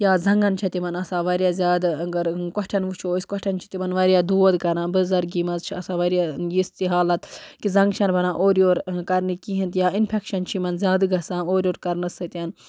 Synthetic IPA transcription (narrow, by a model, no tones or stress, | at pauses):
jaːzɐŋɡɐnt͡ʃʰɐt̪imɐnɐsaːʋɐɾijaːzʲjaːd̪ɐɡɐɾkɔʈʰɐnʋut͡ʃʰoːisʲkɐʈʰɐnt͡ʃʰi̥t̪imɐnʋɐɾijaːd̪uːʋɐd̪kɐɾnãːnbɨzɐɾɡimɐzt͡ʃʰiɐsaːʋɐɾijaːjist̪iɦaːlɐt̪kizɐ̃ŋɡt͡ʃʰɐnbʱɐnãːʔoːɾijoːɾkɐɾnikiɦint̪jaːinpʰekʃɐnt͡ʃʰimɐnzʲjaːd̪ɡɐsãːoːɾjoːɾkɐɾnɐsɨt̪ʲɐn